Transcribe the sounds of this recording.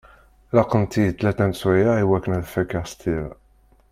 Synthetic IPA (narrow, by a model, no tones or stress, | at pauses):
lɑqːənt̪ijt̪ːlæt̪ænswæjaiwækːənæðfækːaʁst̪iɾ